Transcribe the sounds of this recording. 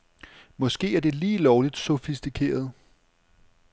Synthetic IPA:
mɒ̽sɡ̥e̝̰ːæɐd̥e̝liːlɒʊlid̥sofisd̥ikʰe̝̰ːɐð̞̩ˠ

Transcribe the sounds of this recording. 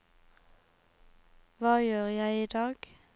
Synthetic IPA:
ʋɑːjøːʁjæɪiːd̪ɑːɡ̥

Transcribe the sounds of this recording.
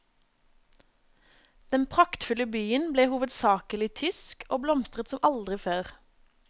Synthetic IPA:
d̪̥ɛnpʰʁɑkt̪fʉləbyːənbleːhuːʋəd̪sɑːkəlɪt̪ʰʏskʰoːblɔmst̪ʁət̪sɔmɑld̪ʁɪføːʁ

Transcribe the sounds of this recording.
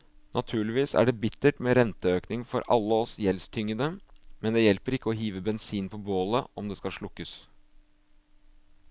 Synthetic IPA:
nʔɑt̪ʰʉːɭɪʋiːsæ̰ɖɛbɪt̪ːəʈmeːɾɛnt̪əøːknɪŋfɔɾɑ̰lːəɔsjɛlst̪ʰʏŋːəd̪əmɛnd̪ɛjɛlpəɾɪkːəɔɦiːʋəbɛnsiːnpʰɔboːləʔɔmd̪ɛskɑlʂɭʊkːəs

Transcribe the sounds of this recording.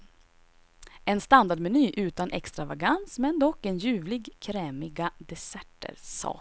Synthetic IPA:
ɛnst̪and̪aɖmɛnyːʔʉ̟ːt̪anʔɛ̰kst̪ɾavaɡansmɛnd̪ɔkːɛnjʉ̟ːvlɪɡkʰɾɛːmɪɡad̪ɛsɛʈːə̰ɾsɑ̰ː

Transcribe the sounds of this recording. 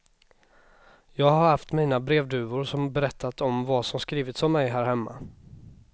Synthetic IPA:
jɑːɡhaɾhaft̪miːnabɾeːvd̪ʉ̟ːʊɾʂɔmbɛɾɛt̪ʰːat̪ɔmvasɔmskɾiːvɪt̪sɔmmːɛjɦæːɾɦɛmːa̰

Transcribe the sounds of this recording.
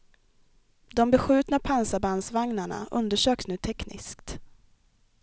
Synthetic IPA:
d̪ɔmbɛɧʉ̟ːt̪napʰansabansvaŋnaɳa̰ʔɵ̰nd̪əʂøːksnʉ̟ːt̪ʰɛknɪ̰skt̪

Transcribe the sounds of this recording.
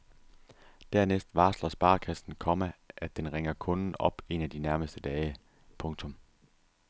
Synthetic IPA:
d̥æɐnesd̥ʋɑ̈ːslɐsb̥ɑ̈ːkʰæsn̩kʰɒ̽mæʔæd̥enʁɛŋɐkʰɔ̽nn̩ɒ̽b̥e̝næd̥inæɐməsd̥əd̥ɛːɪə | pʰɔ̽ŋt͡sʰɔ̽m

